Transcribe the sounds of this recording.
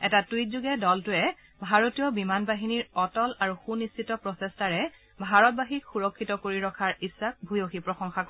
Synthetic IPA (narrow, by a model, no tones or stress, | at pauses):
ɛtatuit̚zuɡɛdɔltʊɛ | bʱaɹotijɔbimanbaɦiniɹɔtɔlaɹuxunist͡ʃʰitɔpɹɔsɛstaɹɛ | bʱaɹɔt̚baɦikxuɹɔkʰːitɔkoɹiɹɔkʰaɹisːak̚bʱujoxipɹɔxɔŋxak